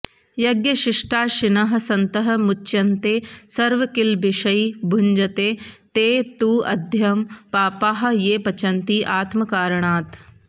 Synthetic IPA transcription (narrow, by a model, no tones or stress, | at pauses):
jɐɡjɐʃɪʂʈaːʃɪnɐɦɐ̆sɐnt̪ɐɦɐ̆mʊt͡ʃːʃɐnt̪eːsɐɾʋɐkɪlbɪʃɐibʱʊɲd͡ʒɐt̪eːt̪eːt̪uːɐ̰d̪ʱjɐmpaːpaːɦɐ̆jeːpɐt͡ʃɐnt̪iːʔaːt̪mɐkaːɾɐɳ̃aːt̪